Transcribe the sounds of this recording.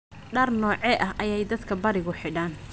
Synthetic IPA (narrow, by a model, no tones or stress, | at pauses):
ɖɐrnɔːʕɛʔɐɦʔɐjɛjd̪ɐd̪kʰɐbɐɾɪɣʊħɪɽaːn